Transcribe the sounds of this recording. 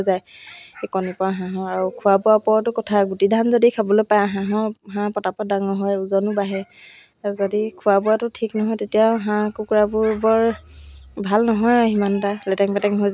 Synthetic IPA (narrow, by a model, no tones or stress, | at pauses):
zajekɔnipɔaɦãɦɔ̃aɹukʰuwabuapɔɹtʊkɔtʰaɡutidʱanzodikʰabɔlojpajɦãɦɔ̃ɦãpɔtapɔdaŋɔɦɔjuzɔnʊbaɦɛ | zodikʰuwabuatʊtʰiknɔɦɔjtetijaʊɦãkukuɹabʊɹbɔɹ | bʱalnɔɦɔjɦimantalɛtɛŋpɛtɛŋɦojz